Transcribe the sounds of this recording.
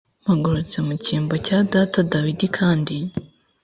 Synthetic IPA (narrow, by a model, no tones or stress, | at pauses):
maɡuɾut͡se̞muciːmbo̞cadaːtadawidikʰaːndi